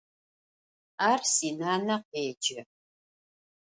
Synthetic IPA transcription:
aːrsiːnaːnɐqeːd͡ʒɪ

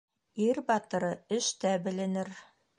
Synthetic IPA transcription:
iɾbɑt̪ɤ̆ɾɤɘ̆ʃt̪æbɘ̆lɘ̆nɘɾ

